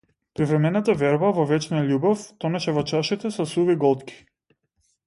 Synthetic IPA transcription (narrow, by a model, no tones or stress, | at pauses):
pɾivɾɛmɛnat̪avɛɾbavɔvɛt͡ʃnaalʲubɔft̪ɔnɛʃɛvɔt͡ʃaʃit̪ɛsɔsuviɡɔlˠt̪kʲi̥